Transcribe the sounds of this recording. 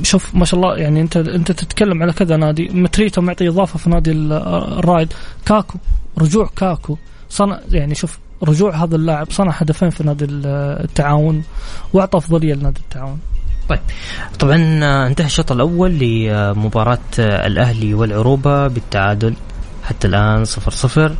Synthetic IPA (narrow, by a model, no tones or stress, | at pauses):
ʃuːfmaːʃaʔɑlˤːɑːjʔaʕniʔɪnt̪aʔɪnt̪at̪ɪt̪kalːamʕalakɪðanaːd̪imat̪ɾiːt̪amʊʕt̪ˤiʔɨðˤɑːfɑfinaːd̪irˤːɑːjd̪kaːkuɾˤʊd͡ʒuːʕkaːku | sˤɑnɑʕjaʕniʃuːf | ɾˤʊd͡ʒuːʕɦaːðalːaːʕɪbsˤɑnɑʕhad̪afeːnfinaːd̪ilt̪ːaʕaːwʊnwʊʕt̪ˤɑʔɑfðˤɑlɪjːalɪnaːd̪it̪ːaʕaːwʊnt̪ˤɑjːb̥ | t̪ˤɑbʕɑnʔɪnt̪ahaʃːɑt̪ˤɪlʔawːalːɪmʊbɑːɾˤɑːt̪ɪ̰lʔahliwɪlʕʊɾuːbabɪt̪ːaʕaːd̪ʊl | ħat̪ːalʔaːnsˤɨfɾsˤɨfɾ